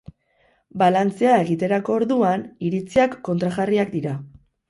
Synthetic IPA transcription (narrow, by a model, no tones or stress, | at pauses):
balant͡seae̞ɣ̞it̪e̞ɾako̞ːɾðuaniɾit͡siakːo̞nt̪ɾaɣariakd̪iɾa